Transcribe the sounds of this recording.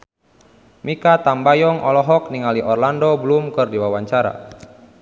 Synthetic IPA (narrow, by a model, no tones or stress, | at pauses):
mikat̪ambajɔŋʔɔlɔɦɔk̚niŋaliʔɔrlandɔblumkɨrdiwawaɲt͡ʃaɾa̰